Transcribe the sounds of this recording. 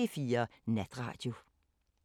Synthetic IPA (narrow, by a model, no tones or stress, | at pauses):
efiːɐnæd̥ʁɑ̰̈ːd̥jo